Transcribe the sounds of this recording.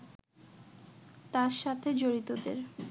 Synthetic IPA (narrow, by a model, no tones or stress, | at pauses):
t̪aɾʃat̪ʰed͡ʑoɾit̪od̪ḛɾ